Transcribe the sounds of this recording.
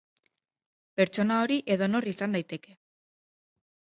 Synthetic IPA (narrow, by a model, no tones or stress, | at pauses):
pe̞ɾt͡ʃo̞nao̞ɾiʔe̞ðo̞no̞risand̪ajt̪e̞ke̞